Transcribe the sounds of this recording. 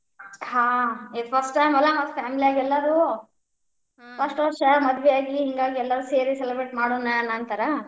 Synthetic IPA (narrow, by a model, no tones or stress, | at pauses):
ɦaːed̪pʰɐsʈʈɐjmɐlːamɐpʰaːmilijaːɡiɛlːɐɾu | pʰɐsʈʋɔɾʃɐmɐd̪ʋɛjaːɡiɦiŋɡaːɡiɛlːɐɾuːseːɾiselɐbɾeʈmaːɽoːnːaɐnːaːnt̪ɐɾɐ